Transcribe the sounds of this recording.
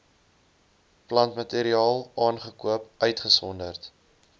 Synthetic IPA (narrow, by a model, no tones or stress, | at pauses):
plɐntmɐteːɾiɑːlˠɑːnχəkuəpœɥtχəsɔndərt